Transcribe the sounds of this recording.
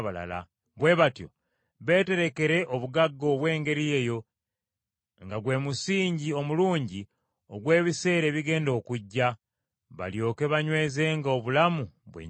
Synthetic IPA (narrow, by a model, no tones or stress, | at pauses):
βala̰la̰ | βwe̞ːβatjo̞̰ | βe̞ːte̞ɾe̞ke̞ɾe̞ʔo̞βuɡaɡːo̞ːβwe̞ːŋɡe̞ɾije̞ːjo̞ | ŋɡaɡwe̞ːmusiːɲɟio̞muluːɲɟi | oɡwe̞ːβise̞ːɾe̞ːβiɡe̞ːndo̞ːkuɟːa | βa̰ljo̞ːke̞βaɲwe̞ːze̞ŋɡaoβulamuβwḛ